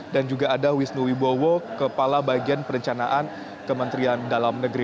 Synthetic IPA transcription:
dand͡ʒuɡaːdawisnuwibowokəpalabaɡianpəɾəɲt͡ʃanaʔan | kəmənt̪ɾiandalamnəɡɾi

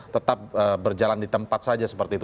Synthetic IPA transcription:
t̪ət̪ap̚əbərd͡ʒalandit̪əmpat̪̚sad͡ʒasə̥pərt̪iːt̪

